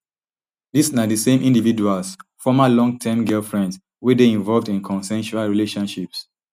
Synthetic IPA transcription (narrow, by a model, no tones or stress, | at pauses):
disnadəsẽmʔĩndividualsfɔmalɔ̃ŋɡ̚tʰɛmɡɛlfɹɛ̃nds | wedeĩɱvɔlvdĩnkʰɔ̃nsɛ̃nʃualɹileʃɔ̃nʃips